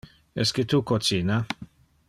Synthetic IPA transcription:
ɛsket̪ukot͡sina

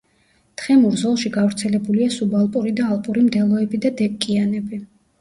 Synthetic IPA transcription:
t̪χɛmuɾzɔlˠʃiɡavɾt̪sʰɛlɛbuliasubalˠpʼuɾid̪aːlˠpʼuɾimd̪ɛlˠɔɛbid̪ad̪ɛp̚ʼkʼianɛbi

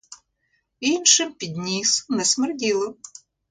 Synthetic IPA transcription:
inʃɪmpʲid̪ʲnʲisʊnɛsmerdʲilˠɔ

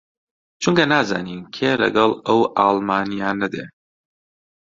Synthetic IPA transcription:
t͡ʃʰuŋkɐnaːza̰ːniːnkʰeːlɐ̰ɡɐlˠɐwʔaːlmaːnijaːnɐd̪ḛ

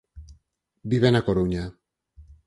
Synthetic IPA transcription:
biβenakoɾuɲa

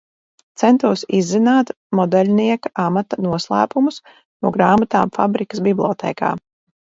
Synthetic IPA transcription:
t̪sɛnt̪uɔsizːinaːt̪ | mɔd̪ɛlʲniɛkaʔamat̪anuɔslˠæ̰ːpumus | nṵɔɡɾaːmat̪aːmfa̰bɾikə̥sbiblʲˠɔt̪ʰɛ̰ːka̰ː

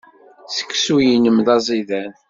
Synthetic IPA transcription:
sə̥kːsujinəmðɑzˤiðæn

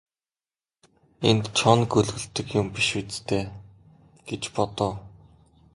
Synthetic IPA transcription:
ent̪t͡ɕʰɔnɡɵɮɣɘ̆ɬt̪ɘ̆kjʊmpiʃut͡st̪ʰeː | ɡ̥et͡ɕpɔt̪ʊː

